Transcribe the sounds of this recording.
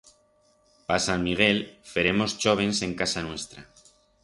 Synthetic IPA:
pasanmiɣ̞e̞lfe̞ɾe̞mo̞st͡ʃo̞β̞e̞nsẽ̞ŋkasanwe̞st̪ɾa

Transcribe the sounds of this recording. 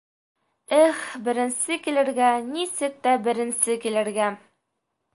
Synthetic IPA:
ɘχbɘ̆ɾɘ̆nsɘkilɘ̆ɾɡænisɘk̚t̪æbɘ̆ɾɘ̆nsɘkilɘ̆ɾɡæ

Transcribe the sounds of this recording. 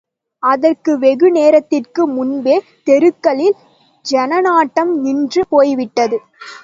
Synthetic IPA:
ɐðɐrkɯʋɛɣɯneːɾɐt̪ːɪrkɯmʊnbeː | t̪ɛɾɯkːɐɭɪl | d͡ʒɛnɐnaːʈːɐmnɪndrɯpoːjʋɪʈːɐðɯ

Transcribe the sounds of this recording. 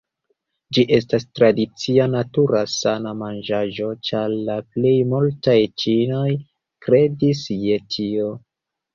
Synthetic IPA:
d͡ʒiʔe̞stastɾadit͡sianatuɾasanamand͡ʒaʒo̞t͡ʃaɾlaple̞jmultajt͡ʃino̞j | kɾe̞disje̞tʰio̞

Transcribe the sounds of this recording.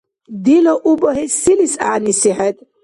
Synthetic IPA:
d̪ilɔʔubɔɦisilisa̰ːnisiħɛt̪ʼ

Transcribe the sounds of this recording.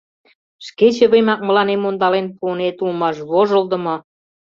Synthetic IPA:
ʃket͡ɕə̆βemɑk̚mə̆lɑnemond̪ɑlenpuɤnet̪ulmɑʃβoʒəld̪ə̆mŏ

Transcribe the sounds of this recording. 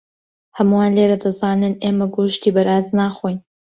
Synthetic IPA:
hɐmuwaːnleːɾɐd̪ɐzaːnɨneːmɐɡoːʃt̪iːbɐɾʔaːznaːxojn

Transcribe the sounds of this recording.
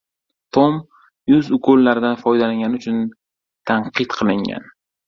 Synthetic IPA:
t̪ʰom | jʊzʊkʰolːaɾɪd̪anfɒjd̪alaŋɡʲanɪʊt͡ʃʰʊn | t̪ʰaɴqʰɨt̪qʰɨlˠɪŋɡʲa̰n

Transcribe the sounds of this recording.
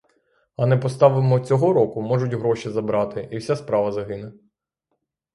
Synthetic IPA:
ɐnɛpɔst̪ɑʋɪmɔt͡sʲɔɦɔɾɔkʊmɔʒʊtʲɦɾɔʃizɐbɾɑt̪ɪʔiwsʲaspɾɑʋɐzɐɦɪnɛ

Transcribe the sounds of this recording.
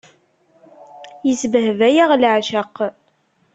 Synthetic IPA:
jəsbəɦvæjaʁlʕʃaqː

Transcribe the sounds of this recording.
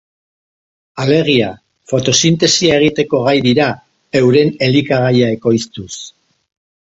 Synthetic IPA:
ale̞ɣ̞ia | fo̞t̪o̞sint̪e̞siae̞ɣ̞it̪e̞ko̞ɣajðiɾa | e̞wɾe̞ne̞likaɣajae̞ko̞jst̪us

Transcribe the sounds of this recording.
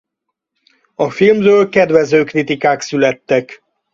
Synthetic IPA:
ɒfilmrøːlkɛd̪vɛzøːkrit̪ikaːksylɛt̪ːɛk

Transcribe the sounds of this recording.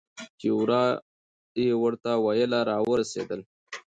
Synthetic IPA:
kewɾɑ | jewəɾt̪awajəlaɾɑwəɾasḛd̪əl

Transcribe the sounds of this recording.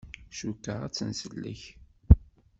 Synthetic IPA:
ʃukːəʁæ̰t͡sːənsəlːə̰ç

